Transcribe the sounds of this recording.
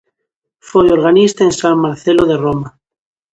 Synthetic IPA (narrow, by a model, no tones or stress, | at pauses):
fojoɾɣanist̪aẽnsaŋmaɾθeloðeroma